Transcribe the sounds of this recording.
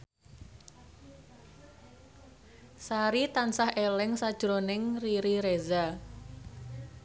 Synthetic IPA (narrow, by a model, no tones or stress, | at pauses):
saɾit̪ansahʔelɛŋsad̥ʒ̥ɾonɪŋriɾiɾeza